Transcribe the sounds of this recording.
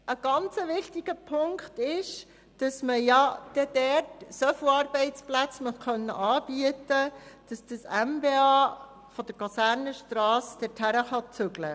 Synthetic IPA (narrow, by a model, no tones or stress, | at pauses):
ʔəɡ̥ɑnt͡səʋɪχtiɡ̥əpʰʊŋkt̪ɪʃ | d̥ɑsməjɑd̥ɛd̥ɛtsœfuɑɾbɛɪt͡splæt͡sməχkœnːəʔɑːb̥iətəd̥ɑsd̥əsɛmbeɑː | fɔd̥əɾkʰɑsæːɾnəʃtɾɑːsd̥̪ɛthæɾəχɑt͡sʏɡlə̰